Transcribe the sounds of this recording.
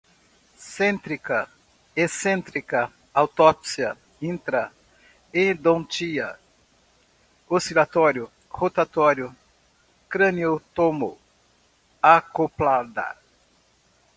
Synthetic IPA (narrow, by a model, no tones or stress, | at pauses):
sẽnt̪ɾikɐ | esẽnt̪ɾikɐ | awt̪ɔpsiɐ | ĩnt̪ɾɐ | ẽd̪õt͡ʃiɐ | osilat̪ɔɾjʊ | hot̪at̪ɔɾjʊ | kɾɐ̃niot̪omo | akoplad̪ɐ̰